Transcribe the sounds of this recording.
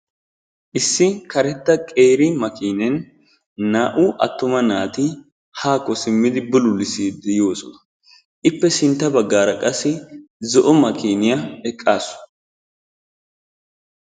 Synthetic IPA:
ʔɪsːɪkɐɾɛt̪ːɐkʼeːɾɪmɐkiːnɛn | naːʔʊʔɐ̰t̪ːʊmɐnaːt̪ɪ | haːkːɔsɪmːɪd̪ɪbʊlʊlɪsiːd̪ɪjo̞ːsɔnɐ | ʔɪpːɛsɪnt̪ːɐbɐɡːaːɾɐkʼɐsːɪzɔʔɔmɐkiːnɪjɐɛkʼːaːsʊ̥

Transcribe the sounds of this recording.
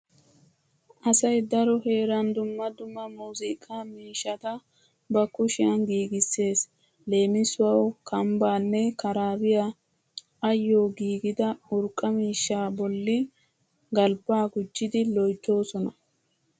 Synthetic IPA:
ʔɐsɐjd̪ɐɾɔhe̞ːɾɐnd̪ʊmːɐd̪ʊmːɐmuːzɪkʼːaːmiːʃːɐt̪ɐ | bɐkʊʃɪɐnɡiːɡɪsːe̞ːs | le̞ːmɪsʊwɐwkʰɐmbaːnːɛkɐɾaːbɪja | ɐjːo̞ːɡiːɡɪd̪ɐʊɾkʼːɐmiːʃːaːbɔlːɪ | ɡɐlbaːɡʊd͡ʒːɪd̪ɪlɔjt̪ːo̞ːsɔnɐ

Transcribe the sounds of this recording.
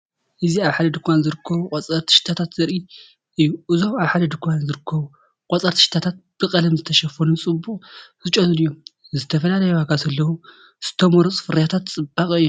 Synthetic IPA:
ʔɨziaβħad̪ɐd̪ɨkʰʷːanzɨɾɨkʰːɐβukʼɔt͡sʼɐɾt̪ʰɨ̥ʃt̪ʰat̪ʰat̪zɐɾi | ʔɨjːuʔɨzomaβħad̪ɐd̪ɨkʰʷjanzɨɾɨkʰːɐβu | qʼɔt͡sʼɐɾt̪ɨ̥ʃt̪ʰat̪ʰat̪̚b̥ɨkʼɐlɐmzɨt̪ʰɐʃɐfonɨnt͡sʼɨbuχʼzɨt͡ʃʼonɨnɨjːom | zɨt̪ʰɐfɐlalɐjohaɡazɐlːɐwu | z̥ɨ̥t̪ʰɐmoɾot͡sʼfɨɾɐjat̪ʰat̪t͡sʼɨbakʼɨjːo

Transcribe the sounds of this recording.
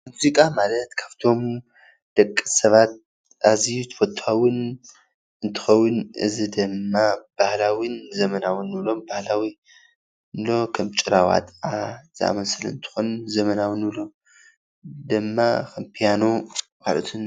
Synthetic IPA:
muzikʼamalɐt̪kʰaft̪ʰo̞m | d̪̥ɐkʼːɨsɐβat̪̚ | ʔazit̪ʰfot̪ʰːawʊn | ɨnt̪ʰɨ̥xɐwːʊnʔɨ̰zid̪ɨmːab̥ahlawinzɐmɐnawɨnːɨβlo̞mbahlawi | nlo̞kʰɐmt͡ʃʼɪɾawa̰t̪ʼaz̥ɨa̰mɐsɨlɨ̰nt̪ʰɨ̥xunzɐmɐnawɨnɨβlo̞ | d̪ɨmːaxɐmpʰijano | ma̰lɐ̰t̪ʰun

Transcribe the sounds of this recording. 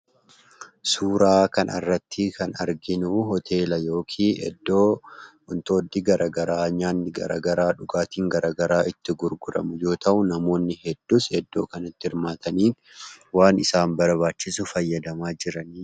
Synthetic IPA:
suːɾaːkɐnʔɐ̰rːɐt̪ʰːɪkʰɐnɐɾɡɪnuːɦɔt̪ʰe̞ːlɐjo̞ːkʰiːɛ̰d̪ːoː | ʊnt̪o̞ːd̪ːɪɡɐɾɐɡɐɾaːɲaːnːɪɡɐ̰ɾa̰ːɡɐɾaːᶑʊɡaːt̪iːŋɡɐɾaːɡɐɾaːʔɪt̪ːɪɡʊɾɡʊɾɐ̰mʊjo̞ːt̪ɐʔʊnɐmo̞ːnːɪhɛd̪ːusɛd̪ːo̞ːkɐnɪt̪ːɪɪɾmaːt̪ɐniː | waːnɪsaːmbɐɾbaːt͡ʃːɪsʊfɐjːɐd̪ɐmaːd͡ʒɪɾɐniː

